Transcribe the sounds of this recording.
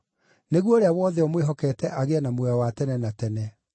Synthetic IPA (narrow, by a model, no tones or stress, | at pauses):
neɣwoɾeawɔðɛɔmweɦɔkɛtɛʔaɣeanamwɛwatɛnɛnatɛnɛ